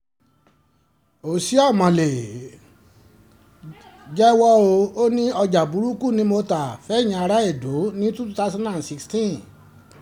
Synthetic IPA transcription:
o˨si˨˦a˦˨mã˨le˨ | d͡ʒɛ˦wɔ˦o˧o˦nĩ˦ɔ˧d͡ʒa˨bu˨˦ɾu˦ku˦˨nĩ˨˦mo˧ta˨fɛ˨˦˨j̃ĩ˧a˧ɾa˦e˦˨do˨˦nĩ˦tu˦tu˦ta˦sã˦ã˦˨si˧kstĩ˦˨

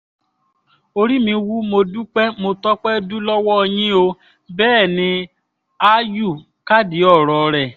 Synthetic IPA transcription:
o˧ɾi˦mĩ˧wu˦mo˧du˦k͡pɛ˦mo˧tɔ˦k͡pɛ˦du˦lɔ˦wɔ˦ɔ˧j̃ĩ˦o˧ | bɛː˦˨nĩ˧ | a˦ju˦˨ | ka˦di˨˦ɔ˦˨ɾɔ˨ɾɛ˨

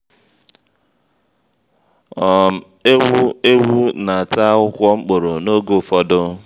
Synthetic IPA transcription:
ɔ˨˦ | e˦wu˦na˨a˨ta˦ʊ˦kʷɔ˦ŋ͡m̩˦k͡po˨ɾo˨no˦ɡo˦˨fɔ˦dʊ˦

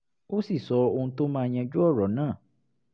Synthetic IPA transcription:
o˦si˦˨sɔ˨˧o˧ũ˧to˦mãː˦˧j̃ã˧d͡ʒu˦ɔ˦˨ɾɔ˨˦nãː˦˨

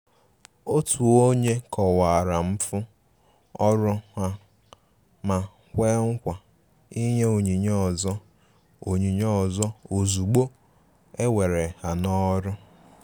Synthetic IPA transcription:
o˦tu˨o˦ɲe˦kɔ˨wa˨a˨ɾa˨m̩˦fʊ˦ | ɔ˦ɾʊ˦ha˦ | ma˨ | kʷe˦ŋ̩˦kʷa˨ | i˦ɲe˦o˨ɲi˨ɲɔ˦ɔ˨zɔ˦ | o˨ɲi˨ɲɔ˦˨zɔ˦o˨zu˨ɡ͡bo˦ | e˦we˨ɾe˨ha˨nɔ˦ɾʊ˦

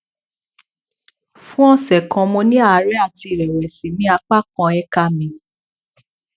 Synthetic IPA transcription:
fũ˦ɔ̃˧sɛ˨kɔ̃˧mo˧nĩ˦a˦˨˧ɾɛ˦a˦˨ti˧˨ɾɛ˨ɾɛ˨sĩ˨nĩ˨˦a˧k͡pa˦kɔ̃˧ɛ˦ka˦mĩ˧˦

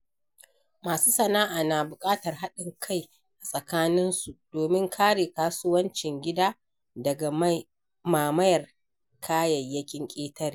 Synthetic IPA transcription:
maː˨suː˦sɐ˨naː˦ʔaː˨naː˨bʊ˨kʼaː˦tɐ˨rɦa˦ɗɪ˨ŋkʰa˦˨j | ʔa˨sʼɐ˨kaː˦nɪ˦nsu˨d̥oː˨mɪ˦ŋkʰaː˦ɽeː˨kaː˦sʊ˦wɐ˦nt͡ʃɪ˨ŋɡʲɪ˦daː˦ | dɐ˨ɡa˨m˦ | maː˨mɐ˦jɐ˨r | kʰaː˦jɐ˨jːɐ˦kʲɪ˦ŋkʲʼeː˦tɐ˦ri˨

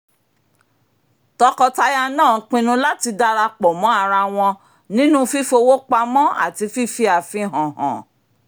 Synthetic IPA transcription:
tɔ˧kɔ˧ta˧ja˧nãː˦˨˦k͡pĩ˧nũ˧˦la˦ti˧da˧ɾa˧k͡pɔ˨mɔ̃˨˦a˧ɾa˧w̃ɔ̃˧ | nĩ˦nũ˦fi˦˨fo˧wo˦k͡pa˧mɔ̃˦a̰˨ti˧fi˦˨fi˧a˨fĩ˧ɦɔ̃˨ɦɔ̰̃˨

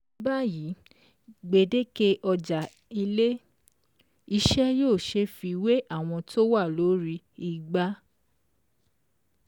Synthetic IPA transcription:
ba˦ji˨˦ | ɡ͡be˨de˦ke˧ʔɔ˧d͡ʒa˨ | i˧le˦ | i˧ʃɛ˦joː˦˨ʃe˧fi˧we˦ʔa˦˨w̃ɔ̃˧to˦wa˦˨lo˨˦ɾi˧ | i˦˧˨ɡ͡ba˦

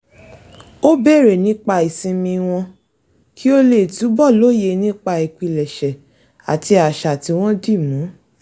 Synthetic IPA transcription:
o˦be˦˨ɾe˨nĩ˦k͡pa˧i˨sĩ˧mĩ˧w̃ɔ̃˧ | ki˦o˦le˦˨tu˨˦bɔ˦˨lo˦je˨˧nĩ˦k͡pa˧i˨ki˧lɛ˨ʃɛ˨ | a̰˨ti˧a˨ʃa˨ti˨˧w̃ɔ̃˦di˦˨mũ˨˦

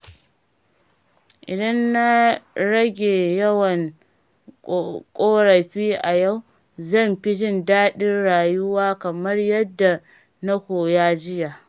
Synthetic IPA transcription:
ʔɪ˨dɐ˦nːa˦ɽɐ˦ɡʲeː˨jɐ˦wɐ˨n˨ | kʼoː˦ɽɐ˨ɸiː˦ʔa˨ja˦˨w | zɐ˦˨mɸɪ˦d͡ʒɪ˦˨ndaː˦ɗɪ˦rɽaː˨jʊ˦waː˦kɐ˨mɐ˦rjɐ˦dːa˨ | na˦kʷoː˨jaː˦d͡ʒɪ˦jaː˨ʔ

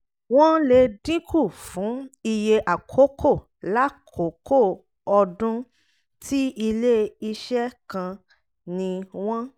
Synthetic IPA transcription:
w̃ɔ̃˦le˧dĩ˦kʰu˦˨fũ˨˦i˧je˧ʔa˨kʰo˨˦kʰo˦˨ | la˦kʰo˨˦ko˦˨ | ɔ˧dũ˦ | tʰi˦i˧le˦i˧ʃɛ˦kã˧ | nĩ˧w̃ɔ̃˦

